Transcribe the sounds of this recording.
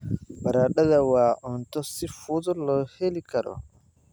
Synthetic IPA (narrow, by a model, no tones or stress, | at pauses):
baɾaɗadawaːʔɔntɔsifutɔlɔhelikaɾɔ̰